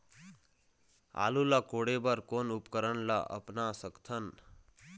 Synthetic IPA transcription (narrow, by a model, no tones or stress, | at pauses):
a̰lulʌkoɽebʌɾkonupkəɾənlaʔʌ̰pnasʌkt̪ʰʌn